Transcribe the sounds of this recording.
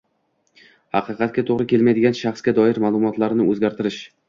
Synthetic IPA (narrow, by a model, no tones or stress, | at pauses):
hɑqʰɨqʰɑt̪̚ɡʲat̪ʰoʁɾɪkʲʰe̞lmajd̪ɪɡʲanʃɑχsɡʲad̪ɒɪɾmaːlˠʊmɒt̪laɾnɪɵzɡʲaɾt̪ʰɪɾɪʃ